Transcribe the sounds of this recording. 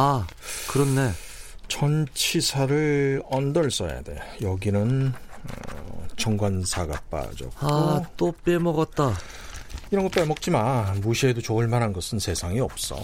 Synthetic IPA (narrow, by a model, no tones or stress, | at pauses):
akɯɾʌnːe̞t͡ɕʌnt͡ɕʰisʰaɾɯɭʌndʌɭs͈ʌja̰dḛjʌɡinɯn | t͡ɕʰʌŋɡwansʰaɡa̰p͈a̰d͡ʑʌ̰kaot͈op͈emʌɡʌt̚t͈a | iɾʌnɡʌp͈emʌk̚t͡ɕ͈imamuɕʰiedot͡ɕoɯɭmaɾɦanɡʌsʰɯnsʰe̞sʰaŋiʌp̚s͈ʌ̰